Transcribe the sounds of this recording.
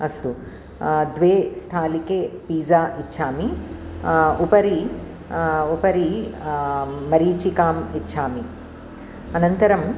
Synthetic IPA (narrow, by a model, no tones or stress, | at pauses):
ɐst̪u | d̪ʋeːst̪ʰaːlikeːpiːzaːʔitːʃʰaːmi | upɐɾi | upɐɾi | ɐɾiːt͡ʃikaːmitːt͡ʃʰʃʰaːmi | ɐnɐnt̪ɐɾɐm